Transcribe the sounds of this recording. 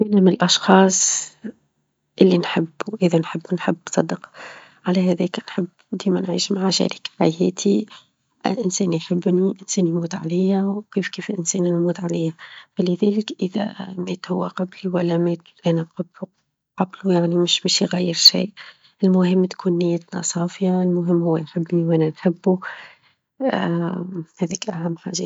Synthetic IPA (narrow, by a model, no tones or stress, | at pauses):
finamnɪlʔɑʃxɑːsˤ | ʔɪlːinħɪbːwʔɪðænħɪbːnħɪbːnsˤɑd̪ːɪq | ʕalæɦæðɛːknħɪbːd̪iːmænʕiːʃmaʕaʃæ̰ːɾikħahɛːt̪ʰi | ʔʔɪnsɛːnjħɪbːniʔɪnsɛːnjmuːd̪ʕa̰læːhawkiːfkiːfɪlʔɪnsɛːnnmuːd̪ʕaleːhafalɪðeːlɪkʔɪða̰meːt̪hʊwːaqɑbliwalːameːt̪ʔanaqɑbu | qɑblujaʕnimɪʃmɪʃjɣajːɪɾʃḭːʔ | ʔɪlmʊhɪmːt̪kʰuːnːɪjːat̪na̰sˤɑːfjaɪlmʊɦɪmːhʊwːajħɪbːniwʔananħɪbːu | heːðiːkʔaɦamːħa̰ːʒa